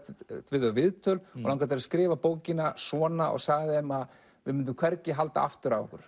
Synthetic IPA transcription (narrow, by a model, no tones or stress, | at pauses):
t̪ʰvɪːðœvɪðt̪ʰœlɔlawŋkat̪aɾaskɾɪːvapoːwcɪnasɔːnaʔɔ̰ɣsaːɣðɪɛmað | vɪ̰mɪnt̪̬ʏmkʰv̥ɛɾcɪɦal̪t̪a̰ʔa̰ft̪ʏɾavɔ̰hkʏɾ̥